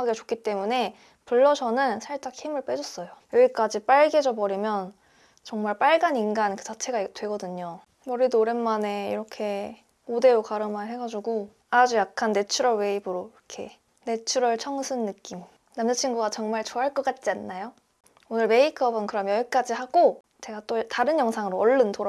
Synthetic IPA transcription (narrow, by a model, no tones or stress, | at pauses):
aɡet͡ɕok͈it͈e̞mune̞ | puɭːʌsʰʌnɯnsʰaɭt͡ɕ͈akhimɯɭp͈e̞d͡ʑʌs͈ʌjojʌiɭk͈ad͡ʑip͈aɭɡe̞d͡ʑʌbʌɾimjʌn | t͡ɕʌŋmaɭp͈aɭɡaninɡankɯt͡ɕat͡ɕʰe̞ɡatwe̞ɡʌdɯɲo | mʌɾidoɾenmane̞ḭɾʌkʰe̞ | ode̞ɾokaɾɯmanɦe̞ɡad͡ʑuɡo | ad͡ʑujak̚k͈ʰanːe̞t͡ɕʰuɾʌɭwe̞ibɯɾoiʌkʰe̞̰ | ne̞t͡ɕʰuɾʌɭt͡ɕʰʌŋsʰɯnːɯk͈im | namd͡ʑʌt͡ɕʰinɡuɡat͡ɕʌŋmaɭt͡ɕoɦaɭk͈ʌk͈at̚t͡ɕ͈ianːajo | onɯɭme̞ikʰʌbɯnkɯɾʌmjʌik͈ad͡ʑihaɡo | t͡ɕe̞ɡat͈otaɾɯnjʌŋsʰaŋɯɾoʌɭːɯntoɾ